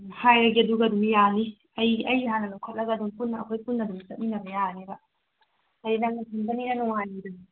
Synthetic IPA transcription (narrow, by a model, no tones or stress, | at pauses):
hajɾɐɡiɐduɡɐdumjani | ɐjʔɐjɦanɐnukʰɐt̚lɐɡaːdumpunːɐːkʰojpunːɐdumsɐt̚minɐbɐjanebɐ | ɐjnɐŋnɐsʰiŋbɐninɐnuŋaniduni